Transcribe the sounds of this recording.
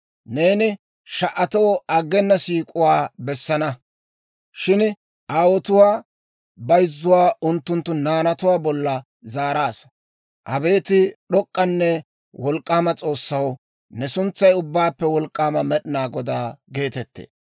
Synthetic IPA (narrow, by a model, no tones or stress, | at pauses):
ne̞ːnɪ | ʃɐʔɐt̪oːɐɡːɛnːɐsiːkʼʊwaːbɛsːɐnɐ | ʃɪn | ʔaːwɔt̪ʊwaː | bɐjzːʊwaːʊnt̪ːʊnt̪ːʊnaːnɐt̪ʊwaːbɔlːɐ | zaːɾaːs | ʔɐbe̞ːt̪ɪɗɔkʼːɐnːɛ | wɔlkʼːaːmɐt͡sʼo̞ːsːɐw | nɛsʊnt͡sːɐjʊbːaːpːɛwɔlkʼːaːmɐmɛɗɪnaːɡɔd̪aːɡe̞ːt̪ɛt̪ːḛːs